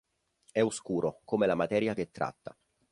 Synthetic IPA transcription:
ɛuskuːɾʔokoːmelamat̪ɛːɾjak̟et̪ːɾa̰t̪ːa̰

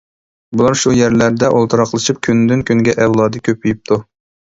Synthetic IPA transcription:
bulˠɑɾʃujɛɾlæɾd̪ɛʔolˠt̪ʰɨɾɑqlˠɨʃɨp̚kʲʰynd̪ynkʲʰyŋɡʲɛʔɛwlˠɑːd̪ɨkʲʰøpːyjip̚t̪ʰu

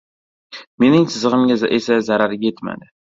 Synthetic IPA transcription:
me̞nɪŋsʰɪzɨʁɨmɡʲaʔesazaɾaɾɡʲajet̪ma̰d̪ɪ

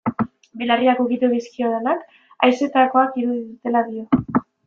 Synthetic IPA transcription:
belariakukit̪uðiskio̞ðenak | ajse̞t̪ako̞akiɾuðiðut̪e̞laðio̞

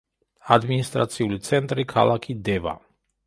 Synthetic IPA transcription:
ad̪minist̪ɾa̰t̪siult̪sent̪ɾekʰa̰lʔakʰid̪eva̰

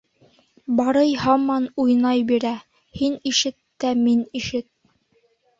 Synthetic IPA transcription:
bɑɾɤjhɑmɑnujnɑjbiɾæ | hiniʃɘt̪ːæminiʃɘt̪̚

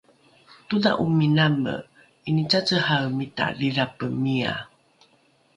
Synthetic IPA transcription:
tuda̰ʔuminamə̰ | init͡sat͡səhawmita̰riðapəmia̰

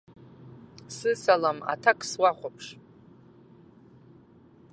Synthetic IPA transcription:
sɨsalama̰tʰakʰʼswaχʷapʰʂ

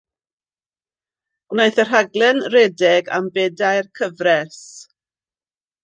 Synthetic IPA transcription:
ɡ̥najθər̥aɡlˠɛnrɛdɛɡa̰mbɛdajrkʰəvrɛs

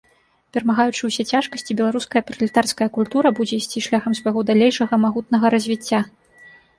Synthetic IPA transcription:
pʲɛɾɐmaɣajut͡ʂɨwsʲɛt͡sʲaʂkɐsʲt͡sʲibʲɛlˠaɾuskɐjɐpɾɐlʲit̪arskɐjɐkulʲt̪uɾɐbud͡zʲɛisʲt͡sʲiʂlʲaxɐmsvɐjɣɔd̪alʲejʂɐɣɐmaɣut̪nɐɣɐɾɐzʲvʲit͡sʲːa

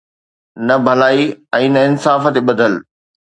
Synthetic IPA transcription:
nɐbʱɐlaːiɛ̃ːnɐɪnsaːfə̆t̪eɓɐd̪ʱəl

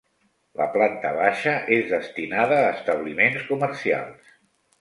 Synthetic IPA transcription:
lə̰plant̪əβaʃəʔezðəst̪inaðəːst̪əβlimenskuməɾsia̰lˠs

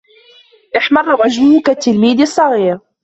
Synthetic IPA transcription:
ʔɪħmɑrˤːɣɑʒmʊhʊkat̪ːɪlmiːd̪ɪsˤːɑɣiːɾ

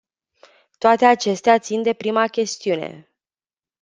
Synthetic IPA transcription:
t̪oat̪e̞at͡ʃe̞st̪eat̪sind̪e̞pɾimakʲe̞st̪iune̞̰

